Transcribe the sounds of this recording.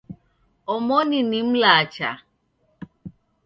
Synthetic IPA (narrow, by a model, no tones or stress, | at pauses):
ɔmɔninim̩laat͡ʃa̰